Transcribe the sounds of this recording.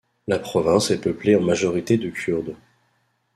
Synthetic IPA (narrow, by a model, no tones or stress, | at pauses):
lapχɔvɛ̃sɛpəpleɑ̃maʒɔʁit̪ed̪əkʲʰyʁd̪